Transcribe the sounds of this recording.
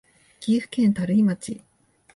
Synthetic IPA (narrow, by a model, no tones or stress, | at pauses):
kʲiɸɯ̥kẽnt̪aɾɯimat͡ɕḭ